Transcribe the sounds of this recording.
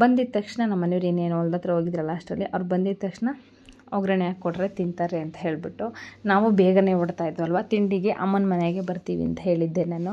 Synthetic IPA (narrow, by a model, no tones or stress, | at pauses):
bɐnd̪id̪̚t̪ɐkʂɐɳɐnɐmːɐneʋiɾeːneːnuɔld̪ɐt̪ɾɐɦo̞ːɡid̪ɾɐlːɐːʂʈɾɐlːiʔɐʋɾubɐnd̪id̪̚t̪ɐkʂɐɳɐ | ɔɡɾɐɳɛjaːɡkɔɽɾe̞t̪int̪aːɾeɐnt̪ɐ̥ɦe̞ːɭbiʈːunaːʋubeːɡɐne̞oɽt̪aːjd̪ːuɐlʋat̪iɳɖiɡe̞ʔɐ̰mːɐnmɐneɡe̞bɐɾt̪iːʋḭɐ̰nt̪ɐɦe̞ːɭid̪ːenaːnu